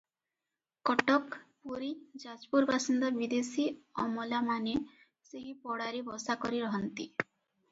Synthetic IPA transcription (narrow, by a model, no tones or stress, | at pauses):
kɔʈɔkpuɾid͡ʒad͡ʒpuɾbasind̪ɔbid̪esiɔmɔlamane | seɦipɔɽaɾibɔsakɔɾiɾɔɦɔnt̪i